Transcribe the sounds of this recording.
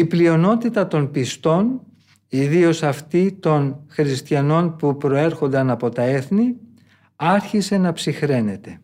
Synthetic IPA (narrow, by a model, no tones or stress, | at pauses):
iplio̞no̞t̪it̪ɐt̪o̞npist̪o̞n | iðio̞sɐft̪it̪o̞nxɾist̪çɐno̞npupɾo̞e̞ɾxo̞nd̪ɐnɐpo̞t̪ɐe̞θni | ɐɾçise̞nɐpsixɾe̞ne̞t̪e̞